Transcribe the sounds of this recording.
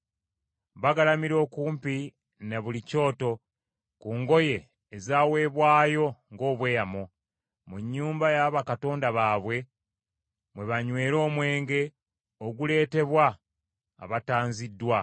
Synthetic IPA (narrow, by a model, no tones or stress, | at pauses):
βaɡalamiɾo̞ːkuːmpi | neβulico̞ːto̞ | kuːŋɡo̞je̞ː | zaːwe̞ːβwaːjo̞ŋɡo̞ːβwe̞ːjamo | muɲːuːmbajaβakato̞ːndaβaːβwe̞ | mwe̞βaɲwe̞ːɾo̞ːmwe̞ːŋɡe̞ | oɡule̞ːte̞βwa̰ː | βataːnzidːwa